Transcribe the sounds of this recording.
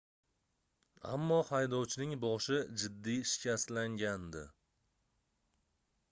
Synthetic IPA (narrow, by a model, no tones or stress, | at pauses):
a̰mːɒhajd̪ɒwt͡ʃʰɪnɪŋbɒʃɪd͡ʒɪd̪ːiʃɪ̥kʲast̪laŋɡʲand̪ɪ